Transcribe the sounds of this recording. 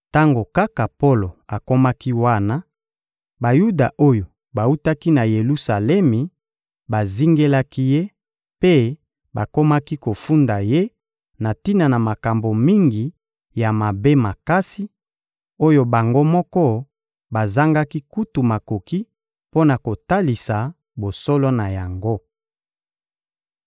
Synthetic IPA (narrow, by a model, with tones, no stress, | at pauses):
ta˦ŋɡo˨ka˦ka˨po˦lo˨a˨ko˦ma˦ki˦wa˦na˦ | ba˨ju˦da˨ʔo˦jo˨ | ba˨u˦ta˦ki˦na˨je˨lu˦sa˨lɛ˦mi˨ | ba˨zi˦ŋɡe˦la˦ki˦je˦ | pe˦ | ba˨ko˦ma˦ki˦ko˨fu˦nda˨je˦ | na˨ti˦na˨na˨ma˨ka˨mbo˨mi˦ŋɡi˨ | ja˨ma˨be˦ma˨ka˦si˦ | o˦jo˦ba˨ŋɡo˦mɔ˦kɔ˦ | ba˨za˦ŋɡa˦ki˦ku˦tu˨ma˨ko˨ki˦ | po˦na˨ko˨ta˦li˨sa˨ | bo˨sɔ˦lɔ˦na˨ja˨ŋɡo˦